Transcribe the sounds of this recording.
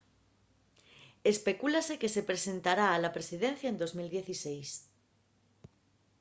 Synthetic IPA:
espe̞kulaseke̞sepɾesẽnt̪aɾaːlapɾesiðen̟θjaend̪ozmild̪jeθisejs

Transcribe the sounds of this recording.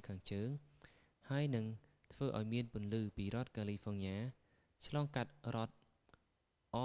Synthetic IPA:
kʰaːŋt͡ɕəːŋ | haəjnɨŋ | t̪ʰʋəːʔa̰ɔjmiənpʊ̆ənlɨːpiːrŏət̪̚kaːlifʰonjaː | t͡ɕʰlɑːŋkat̪̚rŏət̪̚ | ʔɑ

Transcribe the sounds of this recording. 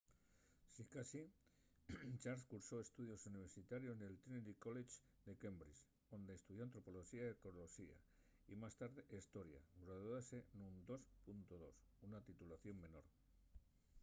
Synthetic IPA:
sikasi | t͡ʃaɾskuɾso̞e̞st̪uð̞jo̞suniβ̞e̞ɾsit̪aɾjo̞zne̞lt̪inelikolet͡ʃ | d̪e̞kembɾis | o̞nd̪e̞est̪uðjo̞ant̪ɾo̞po̞loʃiaekoɾloʃia̰ | imast̪aɾðeʔest̪o̞ɾja̰ɡɾoððasenund̪o̞spunt̪o̞ðo̞sunat̪it̪ulaθjo̞mmẽ̞noɾ

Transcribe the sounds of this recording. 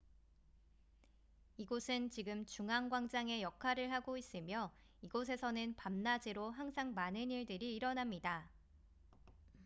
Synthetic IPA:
iɡosʰɯnt͡ɕiɡɯmt͡ɕuŋaŋɡwaŋd͡ʑaŋe̞jʌkʰaɾɯɭɦaɡois͈ɯmjʌ | iɡos̬ʰe̞sʰʌnɯnpamnad͡ʑiɾoɦaŋsʰaŋmanɯniɭdɯɾiːɾʌnamɲida

